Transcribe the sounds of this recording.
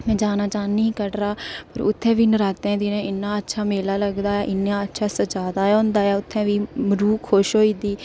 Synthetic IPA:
mɛ̃ːd͡ʒaːnaːt͡ʃaːnːiiːkəɖɾaːpəɾʊ̰t̪ʰːɛ̃ːʋiːnəɾaːt̪ẽːd̪inẽːɪnːaːətːʃʰaːmeːlaːləɡd̪aːɛːʔɪnːaːətːʃʰaːsəd͡ʒaːd̪aːɦʊ̃nd̪aːɛːʊt̪ʰːɛ̃ːʋiːməɾuːkʰːoʃɦoːiːd̪iː

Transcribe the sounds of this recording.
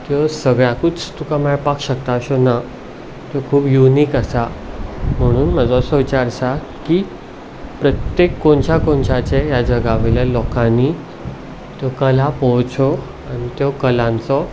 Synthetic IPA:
t̪jɔsəɡɭjakut͡st̪ukamɛɭpakɕəkt̪aəɕona | t̪jɔkʰuːbjuniːkəsa | m̤əɽ̃uːnməd͡zɔsɔʋit͡ɕaɾsa | ki | pɾət̪jekːoɳt͡ɕjakoɳt͡ɕat͡ɕejad͡ʑəɡaʋelalɔkãni | t̪jɔkəlapɔwt͡sɔ | añit̪jɔkəlãnt͡sɔ

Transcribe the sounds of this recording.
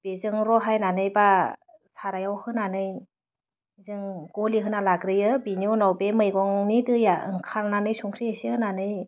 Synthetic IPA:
b̥ezɯŋɾɔɦajnanɯjba | saɾajawhɯnanɯj | zɯŋɡ̥ɔliɦɯnalaɡɾɯjɯbiniwnɔwbemɯjɡɔŋnidɯjaɯ̰ŋkʰalnanɯjsuŋkʰɾiesiɯnanɯj

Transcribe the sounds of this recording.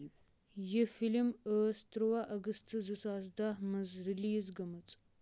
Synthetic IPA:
jɛfilməːst̪ɾɨwaʔɐɡɨst̪ʰɨzɨsazd̪ahmɨzɾiliːzɡɐmɨt͡sʼ

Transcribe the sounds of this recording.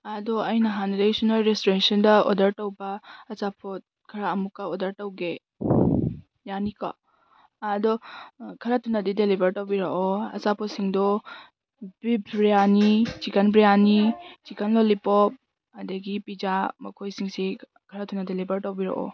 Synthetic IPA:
ɐdɔɐjnɐɦanɐdaisunolɾestoɾensɐndɐo̰ɔ̰dɐɾtɐwbɐːsapʰot̚ | kʰɐɾaɐmukːɐodɐɾtɐwɡe | janikɔ̰ | ɐdɔkʰɐɾatunːɐdidelibɐɾtɐwbiɾɐɔɐ̰sapʰɔsiŋdɔ | bibɾijanit͡ʃikɐnbɾijanit͡ʃikɐnlolipɔp̚ | ɐdɐɡipid͡ʒamɐkʰojsiŋsi | kʰɐɾatunːɐdelibɐɾtɐwbiɾɐ̰ʔɔ̰

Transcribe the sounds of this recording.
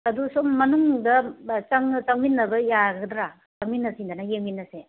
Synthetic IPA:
ɐdusomːɐnuŋdɐt͡ʃaŋt͡ʃaŋminːɐbɐjaɡɡdɾa | t͡ʃaŋminːɐsindanɐjeŋminːɐse

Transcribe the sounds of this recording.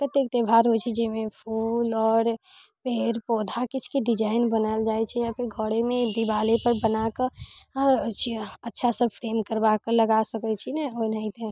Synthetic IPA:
kət̪ek̚t̪ebʱaɾɦot͡ʃʰɛd͡ʒemepʰulɔːɾpeɾpod̪ʱakit͡ʃʰkeɖid͡ʒaɪnbənəld͡ʒajt͡ʃʰɛapeɡʱoɽemed̪ibalepəɾbənakə | t͡ʃʰiətːʃʰasəbfʰɾemkəɾbakələɡasəkɛt͡ʃʰinɛoinəĩt̪ʰe

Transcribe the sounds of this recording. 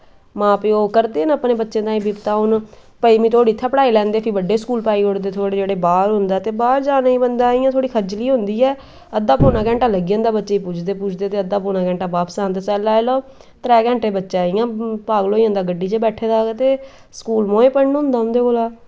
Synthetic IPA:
mãːpeːoːkəɾd̪eːnəːpneːbətːʃẽːd̪aːĩːbipt̪aːʊn | pəiːmĩːt̪ʰoːɽiːt̪ʰːaːpəɽaːiːlɛ̃ːnd̪eːpʰɪbəɖːeːskuːlpaːiːɦʊɽd̪eːt̪ʰoːɽeːd͡ʒeːɽeːbaːɾɦʊnd̪aːt̪eːbaːɾd͡ʒaːnaːĩːbənd̪aːiːãːt̪ʰoːɽiːkʰəd͡ʒliːɦʊ̃nd̪iːɛː | əd̪ːaːpoːnãːkɛ̃ːɳʈãːləɡijə̃ːnd̪aːbətːʃeːput͡ʃʰd̪eːpuːt͡ʃʰd̪eːt̪eːəd̪aːpoːnãːkɛ̃ːɳʈaːbaːpsaːnt̪eːsɛːlaːeːloː | t̪ɾɛːkɛ̃ːɳʈeːbətːʃaːijãːpaːɡloːiːə̃ːnd̪aːɡəɖːiːt͡ʃeːbɛːʈʰeːd̪aːɡːt̪eː | skuːlmoːẽːpəɳnɦʊ̃nd̪aːɦʊ̃nd̪eːkoːlaː

